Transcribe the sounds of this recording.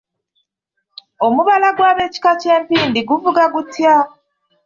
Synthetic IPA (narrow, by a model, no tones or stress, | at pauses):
o̞muβalaɡwaːβe̞ːci̥kace̞ːmpiːndiɡuvuɡaɡutja